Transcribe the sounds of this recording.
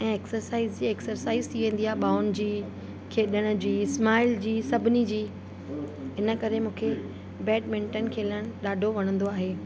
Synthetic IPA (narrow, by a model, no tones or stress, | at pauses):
ɛ̃ːeksəɾsaːɪzd͡ʑiːeksəɾsaːɪzt̪ʰiʋẽːn̆d̪iaːɦeɓaːʊn̆d͡ʑiː | kʰeːɗəɽ̃d͡ʑiːsmaːɪld͡ʑiːsɐbʱɪnid͡ʑiː | ɦɪnə̆kɐɾemũːkʰe | bɛːʈmɪ̃ɳʈən̆kʰeːlə̃ɗaːɖʱoʋɐɽ̃ə̃nd̪oaːɦeː